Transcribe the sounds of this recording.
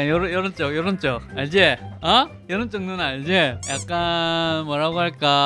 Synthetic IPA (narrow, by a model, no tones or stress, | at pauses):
ajʌɾʌjʌɾʌnt͡ɕ͈ojʌɾʌnt͡ɕ͈oaɭd͡ʑeʌ | jʌɾʌnt͡ɕ͈ʌŋnɯnaiɭd͡ʑejak̚k͈anmʌɾaɡoɦaɭk͈a